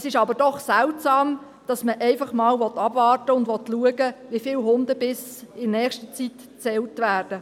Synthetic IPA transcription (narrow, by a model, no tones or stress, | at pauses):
sɪʃɑbəɾd̥ɔχsɛltsɑːm | d̥ɑsməʔɛɪfɑχmɑːlʋɔtɑbvɑːrtəʊndʋɔtluəɡəʋifɪlɦʊndəbɪsɪnɛːχʃtət͡sit | t͡sɛltʋæːrd̥ə